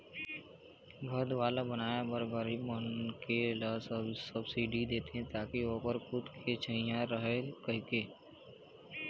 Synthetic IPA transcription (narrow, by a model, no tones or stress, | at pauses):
bʱɐɾd̪ʋaːlabənaːjabəɾbəɾimənkelassəbsiːɖid̪eːt̪eɦɛ̃t̪aːkioːpəɾkʊt̪kʰeːt͡ʃʰəijãɾəɦekɐɦikeː